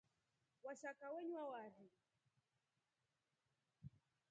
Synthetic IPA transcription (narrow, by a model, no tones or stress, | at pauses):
waʃakawɛɲwawaɾɛ